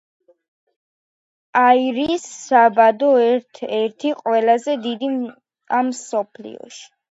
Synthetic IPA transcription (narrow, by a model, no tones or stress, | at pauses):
aiɾisːabad̪ɔɛt̪ʰɛɾt̪ʰiqʼwɛlazɛd̪id̪i | amːsɔpʰlḭɔ̰ʃi̥